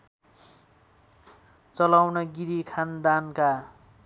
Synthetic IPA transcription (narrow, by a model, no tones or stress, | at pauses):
t͡sʌlawnʌɡiɾikʰand̪anka